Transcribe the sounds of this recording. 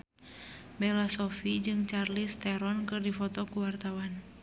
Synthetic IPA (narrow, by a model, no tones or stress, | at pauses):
bɛlasɔfid͡ʒɨŋt͡ʃarlist̪ɛɾɔnkɨrdifɔt̪ɔkuwart̪awan